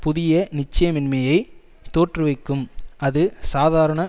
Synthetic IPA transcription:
pʊðɪjɐnɪt͡ʃːɐjɐmɪnmɐjɐɪ | t̪oːʈrɯʋɐɪkːɯmɐðɯsaːðaːɾɐɳɐ

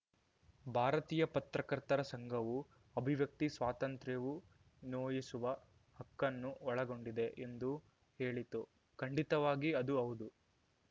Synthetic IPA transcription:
bʱaːɾɐt̪iːjɐpɐt̪ɾɐkɐɾt̪ɐɾɐsɐŋɡʱɐʋu | ɐbʱiʋjɐk̚t̪isʋaːt̪ɐnt̪ɾeʋu | noːjisuʋɐ | hɐkːɐnːuɔɭɐɡo̞ɳɖid̪e̞ʔend̪u | he̞ːɭit̪u | kɐɳɖit̪ɐʋaːɡiɐd̪uɐʋud̪u

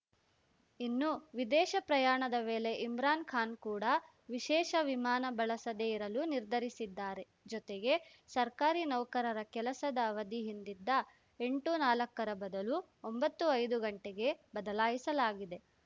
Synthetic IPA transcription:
inːuʋid̪ɛːʃɐpɾɐjaːɳɐd̪ɐʋeːle̞ʔimɾaːnkʰaːnkuːɽɐ | ʋiʃɛːʃɐʋimaːnɐbɐɭɐsɐd̪eiɾɐluniɾd̪ʱɐɾisid̪ːaːɾe̞ | d͡ʒɔt̪eɡe̞ | sɐɾkaːɾinɐwkɐɾɐɾɐkɛlɐsɐd̪ɐːʋɐd̪iɦind̪id̪ːɐ | e̞ɳʈunaːlɐkːɐɾɐbɐd̪ɐlu | ombɐt̪ːuɐjd̪uɡɐɳʈeɡe̞bɐd̪ɐlaːjisɐlaːɡid̪e̞

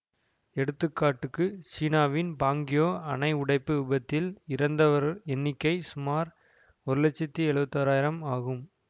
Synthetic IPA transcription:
ɛɽɯt̪ːɯkːaːʈːɯkːɯt͡ʃiːnaːʋɪnbaːŋɡɪjoːɐnɐɪʊɽɐɪpːɯɯbɐt̪ːɪlɪɾɐnd̪ɐʋɐɾɛnːɪkːɐɪsʊmaːɾ | ɔɾɯlɛt͡ʃːɪt̪ːiɛɭɯʋɐt̪ːɐːɾaːjɪɾɐmaːɣɯm

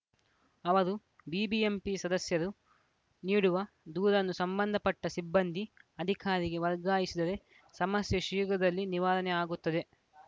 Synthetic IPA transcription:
ɐʋɐɾu | biːbiempisɐd̪ɐsjɐɾu | niːɽuʋɐ | d̪uːɾɐnːusɐmbɐnd̪ʱɐpɐʈːɐsibːɐnd̪ʱiɐd̪ʱikʰaːɾiɡe̞ʋɐɾɡaːjisid̪ɐɾe̞ | sɐmɐsjɐʃiːɡɐd̪ɐlːiniʋaːɾɐnɛaːɡut̪ːɐd̪e̞

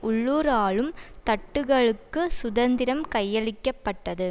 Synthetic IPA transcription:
ʔʊɭːuːɾaːɭɯmt̪ɐʈːɯɣɐɭɯkːɯsʊðɐnd̪ɪɾɐmkɐjːɐɭɪkːɐpːɐʈːɐðɯ

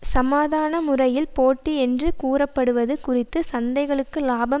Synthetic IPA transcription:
sɐmaːðaːnɐmʊrɐjɪlpoːʈːiɛndrɯkuːrɐpːɐɽɯʋɐðɯkʊrɪt̪ːɯsɐnd̪ɐɪɣɐɭɯkːɯlaːbɐ

